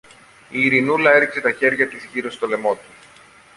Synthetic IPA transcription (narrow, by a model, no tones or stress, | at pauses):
iːɾinulɐe̞ɾikse̞t̪ɐçe̞ɾʝɐt̪izʝiɾo̞st̪o̞le̞mo̞t̪u̥